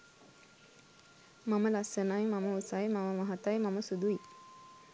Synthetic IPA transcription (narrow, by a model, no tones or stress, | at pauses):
maməlasənajmaməusajmaməmaɦat̪ajmaməsud̪ui